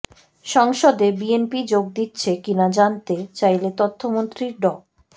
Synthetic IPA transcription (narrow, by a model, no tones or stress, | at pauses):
ʃɔŋʃod̪ebienpid͡ʑoɡ̚d̪itːɕʰekinad͡ʑant̪et͡ɕajlet̪ot̪ʰːomont̪ɾiɾɖɔk